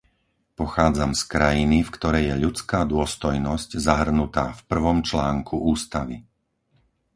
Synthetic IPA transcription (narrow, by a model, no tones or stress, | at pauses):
pɔxaːd͡zamskɾajinifkt̪ɔɾɛjjɛʎut͡skaːd̪ʊɔst̪ɔjnɔsczaɦr̩nut̪aːfpr̩ʋɔmt͡ʃlaːŋkʰuʔuːst̪aʋi